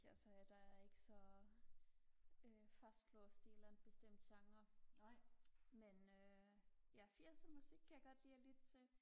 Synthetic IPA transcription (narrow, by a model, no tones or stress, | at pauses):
jæsʰɒjæd̥ɑ̈æɐe̝ɡ̥əsɒ̽ | øfæsɡ̥ʰlɔːsd̥ielæn̩b̥e̝sd̥em̰d̥ɕɑ̈ŋɐ | menøjæfiɐ̰sɒmusiɡ̥kʰæjɑ̈ɡ̥ɒ̽d̥liːlid̥̚t͡sʰe̝